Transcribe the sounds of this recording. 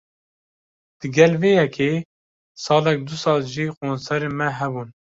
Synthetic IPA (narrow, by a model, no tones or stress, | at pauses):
d̪̥ɨɡɛlveːjɛkʰeː | sɑːlɛk̚d̪usɑːlʒiːkoːnsɛɾeːmɛɦɛbun